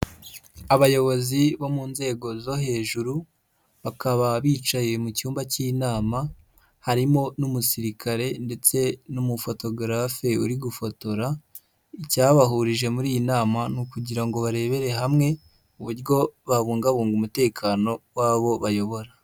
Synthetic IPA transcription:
aβajo̞βo̞ziβo̞muːnze̞ːɡo̞zo̞ɦe̞ːʒuɾu | βakaβaβiːt͡ʃaje̞mucuːmbacinaːma | haɾimo̞numusiɾikʰaɾe̞nde̞t͡se̞numufo̞to̞ɡɾafe̞uɾiɡufo̞to̞ɾa | icaːβaɦuɾiʒe̞muɾiːjinaːmanukuɟiɾaŋɡo̞βaɾe̞βe̞ɾe̞ɦamŋe̞ | uβuɾjo̞βaβuːŋɡaβuːŋɡumute̞ːkʰaːno̞waːβo̞βajo̞βo̞ɾa

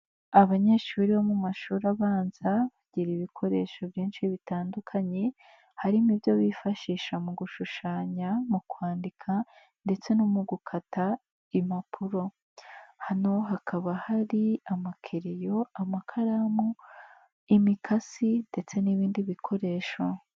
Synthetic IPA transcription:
aβaɲe̞ʃuːɾiβomumaʃuːɾaβaːnz̥aβaɟiɾiːβikʰo̞ɾe̞ʃo̞vjiːnʃiβitaːndukʰaɲe̞ | haɾimiβjo̞βifaʃiːʃamuɡuʃuʃaːɲamukwaːndikʰa | nde̞t͡se̞numuɡukʰata | imapʰuɾo̞ | hano̞ɦakʰaβahaɾiamakʰeɾejo̞amakʰaɾamo | imikʰasinde̞t͡se̞niβiːndiβikʰo̞ɾe̞ːʃo̞

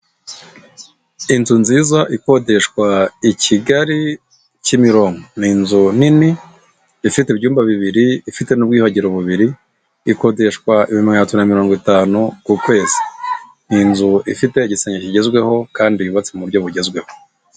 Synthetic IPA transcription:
inzunziːzaʔiko̞de̞ʃkwaiciɡaɾi | cimiɾo̞ːŋɡoniːnzun̥ini | ifitebɟuːmbaβiβiɾiifite̞nub̚ɡiːhaɟeɾo̞βuβiɾiː | ko̞de̞ʃkwaʔiβimŋehatunamiɾo̞ːŋɡitaːnukukwe̞ːze̥ | niːnzuifite̞iɟiseɲeciɟe̞zɡwe̞ho̞kaːndiiβat͡semuɾɟo̞βuɟe̞zɡwe̞ho̞

